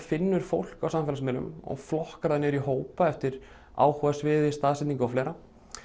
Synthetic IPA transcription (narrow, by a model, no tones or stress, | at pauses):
fɪnːʏɾ̥fowl̥kawsamːfɛlsmɛlʏ̰mɔ̰ɣflɔhkaɾðanːɛɾiɦoːwpaɛft̪ɪɾ̥ | a̰ːwhuasvɪːðɪst̪aːðsɛniŋkawflɛːɾa